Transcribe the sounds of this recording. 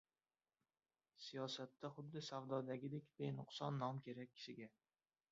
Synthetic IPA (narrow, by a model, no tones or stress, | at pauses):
sijɒsat̪ʰːaχʊd̪ːɪsavd̪ɒd̪aɡʲɪd̪ekʲb̪ejnʊqsɒnːɒmkʲʰe̞ɾak̚ʲʰːɪ̥ʃɪɡʲa